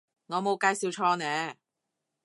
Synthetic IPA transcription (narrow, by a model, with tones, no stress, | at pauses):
ŋɔː˨˧mo˨˧wkaː˧jsiː˨˧wt͡ʃʰɔː˧nɛː˨˥